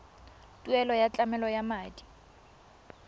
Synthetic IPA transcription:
tʼuɛlɔjat͡ɬʼamɛlɔjamaːdi̥

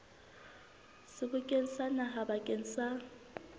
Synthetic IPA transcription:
sɪkʊkʼen̩sanaɦabakʼensa

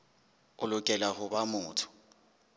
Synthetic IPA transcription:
ʊlʊkʼɛlahʊbamʊːtʰʊ̥

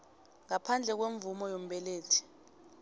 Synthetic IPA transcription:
ŋapʰand͡ɮʱɛk̬weɱvumɔjom̩ɓɛleːtʰi̥

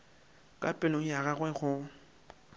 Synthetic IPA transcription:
kʼapʼɪloŋ̩jaɣaɣwɛɣʊ

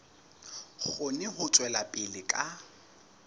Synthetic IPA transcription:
χʊnɪɦʊt͡sʼwɛlapʼɪlɪkʼa

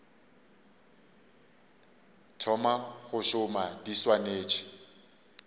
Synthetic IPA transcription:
tʰɔmaχʊʃʊmadiswaneːt͡ʃʰʼɪ̥

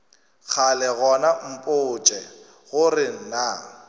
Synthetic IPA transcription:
k͡xʰalɛɣɔnam̩pʼʊːt͡ʃʼɛ | ɣʊrɪn̩na

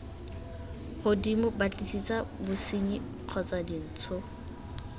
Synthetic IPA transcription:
χʊdimʊbat͡ɬʼisit͡sʼabʊsiɲi | q͡χʰɔt͡sadin̩ːt͡sʰʊ

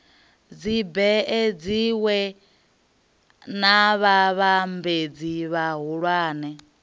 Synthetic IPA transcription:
d͡zibɛɛd͡ziwɛ | naβaβambed͡ziβaɦuɺwaːnɛ

